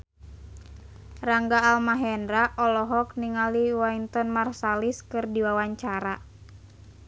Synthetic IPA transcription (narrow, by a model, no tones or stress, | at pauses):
raŋɡaːlmaɦɛndɾaʔɔlɔɦɔkniŋaliwaint̪ɔnmarsaliskɨrdiwawaɲt͡ʃaɾa